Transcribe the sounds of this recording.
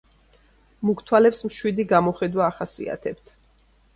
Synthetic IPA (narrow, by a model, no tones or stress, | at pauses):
mukʰt̪ʰwalɛpsmʃwid̪iɡamɔχɛd̪waːχasḭa̰t̪ʰɛpt̪ʰ